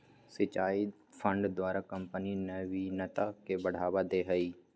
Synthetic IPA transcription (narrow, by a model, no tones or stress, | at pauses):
sɪt͡ʃaːi | pʰə̃ɳɖd̪waːɾakə̃mpənineʋinɐt̪akebəɽ̤aːʋad̪eːɦəiː